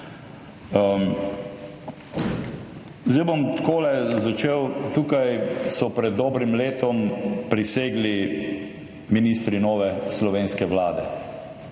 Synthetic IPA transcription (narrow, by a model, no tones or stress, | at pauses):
zd̪ɛbomt̪koːlɛzat͡ʃeːwt̪uːkajsɔpɾɛd̪ːɔːbɾimleːt̪ɔmpɾiseːɡli | miniːst̪ɾinɔːʋɛslɔʋeːnskɛʋlaːd̪ɛ